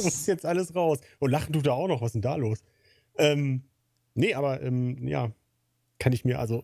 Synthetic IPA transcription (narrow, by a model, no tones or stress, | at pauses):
asɪsjɛt͡stʔaləsʁaʊsʔʊntlaχn̩duːdaːaʊxnɔχvaszɪntd̥aːloːs | ʔɛːm | nəʔaːbɐʔɛːmja̰ː | kʰanɪçmiːɐʔa̰lzo